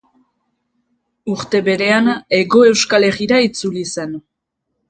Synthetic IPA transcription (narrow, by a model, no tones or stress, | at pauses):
uɾt̪e̞βe̞ɾe̞ane̞ɣo̞e̞wskale̞ɣiɾait͡sulise̞n